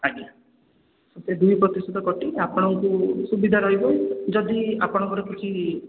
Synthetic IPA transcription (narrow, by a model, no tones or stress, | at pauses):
aɡia | sed̪ujpɾɔt̪isʈʰɔt̪ɔkɔʈiapɔɽ̃ɔŋkusubid̪ʱaɾɔɦibɔjd͡ʒɔd̪iapɔɽ̃ɔ̃ŋkɔɾɔket͡ʃʰi